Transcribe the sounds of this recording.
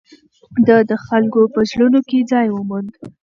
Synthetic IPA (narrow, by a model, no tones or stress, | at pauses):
d̪əd̪əxalkopəʒlunoked͡zɑjwəmund̪